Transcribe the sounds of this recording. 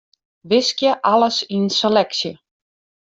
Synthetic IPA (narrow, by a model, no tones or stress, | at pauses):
ʋɪskjəʔaləsiənselɛksjə